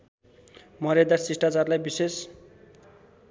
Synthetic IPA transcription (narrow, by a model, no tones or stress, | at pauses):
mʌɾed̪asisʈat͡sarlajbises